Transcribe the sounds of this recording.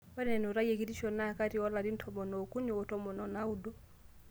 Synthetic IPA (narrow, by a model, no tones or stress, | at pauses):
wanɛnuɾajɛkidiʃɔnakaɾiɔladintʰɔmɔnɔkuniɔtɔmɔnɔnaudɔ